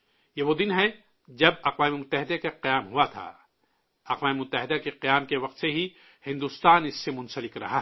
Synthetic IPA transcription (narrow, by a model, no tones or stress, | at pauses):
jeʋod̪ɪnɦɛ | d͡ʒɐbɐqʋaːmemʊt̪ːəɦɪd̪ekaqijaːmɦuat̪ʰa̰ː | ɐqʋaːmemʊt̪ːəɦɪd̪akeqijaːmkeʋɐq̚t̪seɦi | hɪ̃nd̪uːst̪aːnɪsːemʊ̃nsəlɪkɾɐ̰ɦa